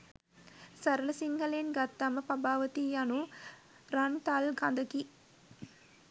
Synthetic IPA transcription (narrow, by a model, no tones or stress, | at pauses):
sɐɾələsiŋɡəlenɡat̪ːaməpɐbaːʋət̪iːanu | ɾant̪alɡand̪əki